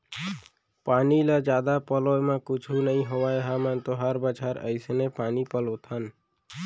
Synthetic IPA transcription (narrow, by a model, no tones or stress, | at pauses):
paːnilad͡ʒaːd̪apəlojmẽkʊt͡ʃʰunəĩɦowaeɦamənt̪oɦəɾbət͡ʃʰaɾə̰ɪsnepaːnipəlot̪ʰən